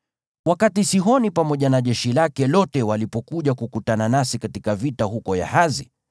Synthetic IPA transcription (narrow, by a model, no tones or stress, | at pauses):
wakatisiɦɔnipamɔʄanaʄɛʃilakɛlɔtɛwalipɔkuʄakukutananasikatikavitahukɔja̰hazi